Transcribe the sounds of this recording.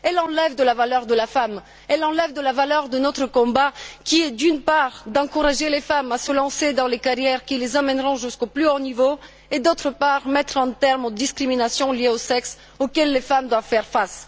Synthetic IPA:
ɛlɑ̃lɛvd̪əlavalœʁd̪əlafam | ɛlɑ̃lɛvd̪əlavalœʁd̪ənɔt̪χəkɔ̃bakʲiɛd̪ynpaʁd̪ɑ̃kuʁaʒelefamasəlɑ̃sed̪ɑ̃lekaʁjɛʁkʲilezamɛnʁɔ̃ʒyskoplyɔʁnivo | ed̪ot̪χəpaʁmɛt̪χɑ̃t̪ɛʁmod̪iskχiminasjɔ̃ljeosɛks | okɛlːefamd̪wavfɛʁfas

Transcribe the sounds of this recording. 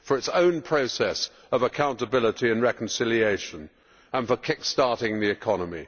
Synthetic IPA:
fə˞ɨtsõʊ̃npʰɹ̥oʊsɛs | əvəkʰãʊ̃ntəbɪlˠəɾiɨ̃nɹɛkn̩sɪlˠieɪʃə̃n | ə̃nfəkʰɪkstɑˑɹɾɪ̃ŋðiɨkʰɑnəmḭ

